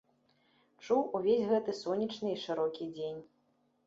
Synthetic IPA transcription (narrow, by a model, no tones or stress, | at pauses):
t͡ʂuwuvʲezʲɣɛt̪ɨsɔnʲit͡ʂnɨiʂɨɾɔkʲid͡zʲenʲ